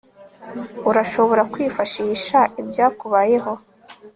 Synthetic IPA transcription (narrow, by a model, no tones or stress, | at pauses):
uɾaʃo̞βo̞ɾakwiːfaʃiːʃaibɟaːkuβaje̞ho̞